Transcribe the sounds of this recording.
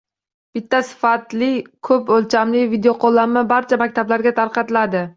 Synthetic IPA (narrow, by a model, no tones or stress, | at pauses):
b̥ɪt̪ʰːasɪ̥fat̪lɪkʰɵpɵlt͡ʃʰamlɪvid̪ejoqʰolˠːamːabaɾt͡ʃʰamak̚ʲt̪ʰablaɾɡʲat̪ʰaɾqɑt̪ɪlad̪ɪ